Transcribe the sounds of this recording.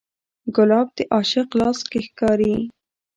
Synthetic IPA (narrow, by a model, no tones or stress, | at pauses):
ɡʊlɑb̚d̪eʔɑʃəqlɑskexkɑɾi